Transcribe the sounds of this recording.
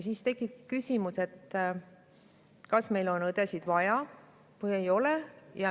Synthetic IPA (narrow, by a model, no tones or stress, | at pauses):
siːst̪e̞kːˑib̥̚ki̥kysʲimuse̞t̪ː | kɑsme̞jlo̞nɤd̪̥e̞sid̪̥vɑjɑ | vɤjejo̞lejɑ